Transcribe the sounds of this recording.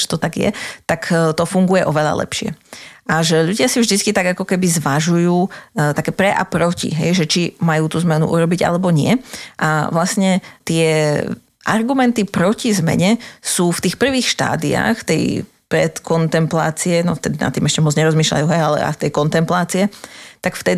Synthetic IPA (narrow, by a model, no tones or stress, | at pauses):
ɛ̥t̪ɔt̪aɡjɛ̰t̪akt̪ɔfuŋɡujɛʔɔʋɛʎa̰lɛ̰pʃɪɛ̰ʔaʒɛʎuɟɪasivʒd̪it͡skit̪aɡakɔkɛbizʋaʒujuːt̪akɛːpɾɛʔa̰pɾɔcḭɦɛ̰jʒɛt͡ʃimajuːt̪uːzmɛnṵʔṵɾɔbiɟa̰lɛbɔɲɪɛʔa̰ʋlasɲɛt̪ɪɛ | ʔaɾɡumɛnt̪ipɾɔcizmɛ̰ɲɛsuːft̪iːxpr̩ʋiːxʃt̪a̰ːd̪ia̰ːxt̪ɛ̰j | pɾɛ̰t̪kɔnt̪ɛmpla̰ːt͡siɛnɔ̰ft̪ɛd̪ina̰t̪ːiːmɛʃcɛmɔd͡zɲɛɾɔzmiːʃʎa̰juːɦɛjalɛ̰a̰t̪ɛjkɔnt̪ɛmplaːt͡siɛt̪akft̪ɛd̪